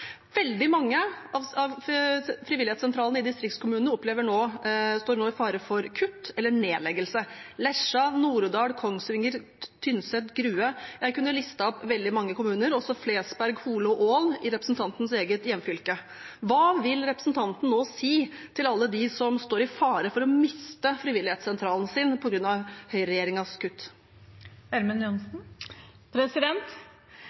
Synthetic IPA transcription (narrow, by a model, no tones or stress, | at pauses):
ʋɛld̪ɪmɑŋːəɑʋɑʋfɾɪʋɪlɪɛtsɛnt̪ʰɾɑːlnɪd̪ɪst̪ɾɪkt̪skʰʊmʉːnnəɔpleːʋəɳoːst̪oːɳoːɪfɑːɾəfɔɾkʰʉt̪ːɛlːəɳeːlɛɡəlsəlɛʂɑnuːɾd̪ɑːɽkʰɔŋsʋɪŋːəɾ | t̪ʰʏnsɛt̪ɡɾʉːəjæɪkʉnːəlɪst̪ɑɔpʋɛld̪ɪmɑŋːəkʊmʉːnəɾɔsɔfleːsbæɾɡhuːləɔʔoːlɪɾɛpɾəsn̩t̪ʰɑnt̪nseːɡət̪jɛmfʏlkə | ʋɑːʋɪlɾɛpɾəsn̩t̪ʰɑnt̪n̩noːsiːt̪ʰɪlɑlːəd̪ɪsɔmst̪oːɾɪfɑːɾəfɔɾɔmɪst̪əfɾɪʋɪlɪheːt̪sɛnt̪ʰɾɑːlnsɪnpʰɔɡɾʉnːɑʋhœʏɾɛjeːɾɪŋɑskʰʉt̪ː | æɾmənjʊnsn̩ | pʰɾɛsɪd̪ɛnt̪